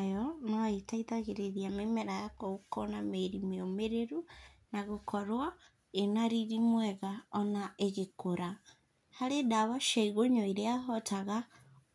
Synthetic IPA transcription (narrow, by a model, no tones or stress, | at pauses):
jɔnɔaetaiðaɣeɾeðiamemɛɾajakokɔnameiɾimeomeɾeɾunaɣokɔɾwa | enaɾiɾimwɛɣaɔnaeɣekoɾa | haɾedaβaʃaiɣoɲɔiɾeaɦɔtʰaɣa